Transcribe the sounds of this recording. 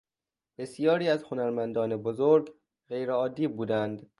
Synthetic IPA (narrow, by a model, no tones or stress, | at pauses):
b̥e̞sijɒːɾiːæzhonæɾmænd̪ɒːnebozoɾɡ | ɢe̞jɾeɒːd̪ːiːbuːd̪ænd̪